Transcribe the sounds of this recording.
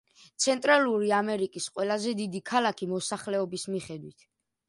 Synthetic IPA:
t̪sʰɛnt̪ʼɾaluɾiamɛɾikʼisqʼwɛlazɛd̪id̪ikʰalakʰimɔsaχlɛɔbismiχɛd̪wit̪ʰ

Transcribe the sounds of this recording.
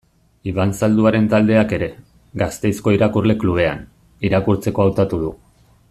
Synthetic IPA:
iβansald̪uaɾe̞nt̪ald̪e̞ake̞ɾe̞ | ɡast̪e̞jsko̞iɾakurle̞kluβ̞e̞a̰n | iɾakuɾt͡se̞ko̞awt̪at̪uð̞u

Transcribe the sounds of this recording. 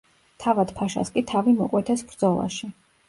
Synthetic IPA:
t̪ʰavad̪̥pʰaʃa̰skʼit̪ʰavimɔkʼwɛt̪ʰɛsbɾd̪zɔlˠa̰ʃi

